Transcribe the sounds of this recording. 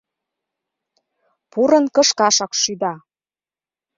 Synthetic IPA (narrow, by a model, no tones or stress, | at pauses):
puɾə̆nkə̆ʃkɑʃɑkʃyd̪ɑ